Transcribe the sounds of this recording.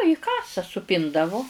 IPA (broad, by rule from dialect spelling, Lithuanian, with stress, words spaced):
iː ˈkɑːsɐ sʊˈpʲɪndɐʋʊ